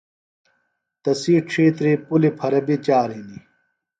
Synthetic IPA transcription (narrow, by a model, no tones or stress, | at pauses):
t̪ɐsiːʈ͡ʂʂʰeːt̪ɾipulipʰɐɾɐbit͡ɕaːɾɦini